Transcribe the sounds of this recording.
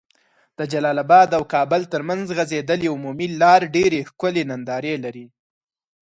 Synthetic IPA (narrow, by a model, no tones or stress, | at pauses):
d̪̥əd͡ʒalɑlabɑd̪awkɑbəlt̪əɾmanzɣazed̪əleʊmumilɑɾɖeɾexkʊlenand̪ɑɾelaɾi